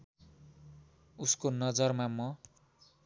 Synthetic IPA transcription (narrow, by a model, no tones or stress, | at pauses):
uskonʌd͡zʌrmamʌ